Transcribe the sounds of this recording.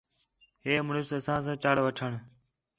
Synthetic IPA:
ɦeːmɳʊsəsãːs̬ãːt͡ʃaːɽʋəʈʰəɳ

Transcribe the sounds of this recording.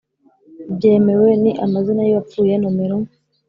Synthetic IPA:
bɟe̞ːme̞we̞niʔamazinajiβap͡fuːje̞nomeɾo

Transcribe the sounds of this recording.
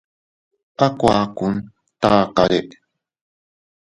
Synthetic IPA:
ʔakʷaːkun | t̪aːkaɾeʔ

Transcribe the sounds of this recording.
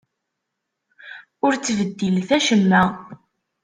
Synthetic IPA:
ʊɾt͡sːvəd̪ːilθæʃəmːæ

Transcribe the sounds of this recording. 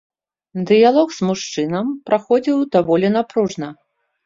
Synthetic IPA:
d̪ɨjalˠɔɣz̥muʂt͡ʂɨnɐmpɾaxɔd͡zʲiwd̪avɔlʲɛnapɾuʐnɐ

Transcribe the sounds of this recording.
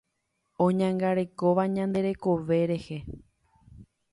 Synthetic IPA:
õɲãŋɡaɾe̞ko̞ʋaɲãnd̪e̞ɾe̞ko̞ʋe̞ɾe̞he̞

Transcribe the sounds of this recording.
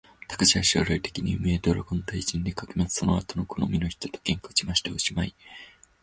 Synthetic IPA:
t̪ḁkḁɕiaɕoːɾait̪e̞̥kʲiɲ̟iɯ̟̰meːd̪oɾoɡõ̞nt̪aiʑĩnd̪e̞kakemazɨ̥so̞noat̪o̞nokono̰mʲino̞çi̥t̪o̞̥t̪o̥kẽ̞ŋkot͡ɕimaɕi̥t̪eoɕimai

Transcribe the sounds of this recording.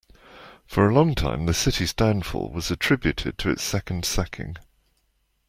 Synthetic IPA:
fəɹəlɒ̃ŋtʰã̰ɪ̃mðəsɪtizdãʊ̃nfɔ̰ːlˠwɒzətʰɹ̥ɪbjʉtʰɪd̚tʰəɪ̰tsɛkə̃nd̥sɛkʰɪ̰̃ŋ

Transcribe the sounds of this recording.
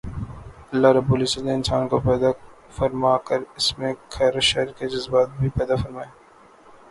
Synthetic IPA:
ɐlːaɾɐbːuːlɪsət̪nẽɪnsaːnkopɛːd̪a | fɐɾmaːkəɾɪsmẽɡʰʱɐɾʃɛɦɾked͡ʒɐzbaːt̪̚bʱipɛːd̪afɐɾmaːeː

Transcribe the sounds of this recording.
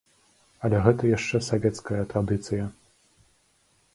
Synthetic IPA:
ɐlʲɛɣɛt̪ɐjaʂt͡ʂɛsavʲɛt̪skɐjɐt̪ɾad̪ɨt̪sɨjɐ

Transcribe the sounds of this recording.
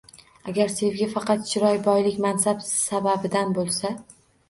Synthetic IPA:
aɡʲaɾse̞vɡʲafɑqʰɑt̪t͡ʃʰɪɾɒjbɒjlɪkʲmansabsababɪd̪anbolˠsa

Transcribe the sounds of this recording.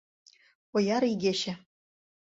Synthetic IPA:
ŏjɑɾiɡʲeɕɘ̆

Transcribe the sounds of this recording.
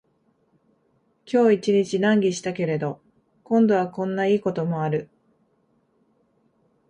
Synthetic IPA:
kʲo̞ːit͡ɕiɲ̟it͡ɕinãŋɡʲiɕi̥t̪ake̞ɾe̞d̪o̞ | kõ̞nd̪o̞βakõ̞nːaiːko̞t̪o̞mo̞aɾɯ̟

